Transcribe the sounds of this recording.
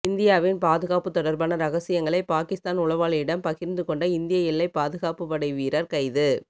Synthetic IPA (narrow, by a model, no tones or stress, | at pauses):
ɪnd̪ɪjaːʋɪnpaːðɯɣaːpɯt̪ːɔɽɐɾbaːnɐɾɐɣɐsɪjɐŋɡɐɭɐɪpaːkɪst̪aːnʊɭɐʋaːɭɐjɪɽɐmpɐɣɪɾnd̪ɯkɔɳɖɐɪnd̪ɪjɐɛlːɐɪpaːðɯɣaːpɯpɐɽɐɪʋiːɾɐɾkɐɪðɯ